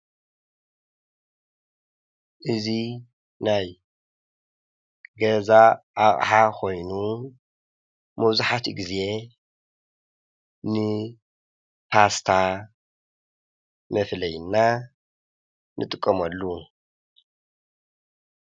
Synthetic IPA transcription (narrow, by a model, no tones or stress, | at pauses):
ʔɨzi | naj | ɡɐzaʔaχʼħakʰo̞jnu | mɐβzuħat̪ɡize̞ | nɨ | pʰast̪ʰa | mɐflɐjnːa | nʔɨt̪ʼɨkʼːɐmɐlːu